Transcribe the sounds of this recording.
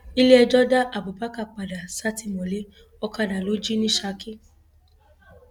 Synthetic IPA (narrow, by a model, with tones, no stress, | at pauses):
i˦le˦ɛ˧d͡ʒɔ˦da˦ʔa˨bo˨pa˦ka˦˨k͡pa˨da˨sa˦ti˦mɔ̃˨le˨˦ | ɔ˧ka˧da˨lo˨˦d͡ʒi˦nĩ˦ʃa˧˦ki˦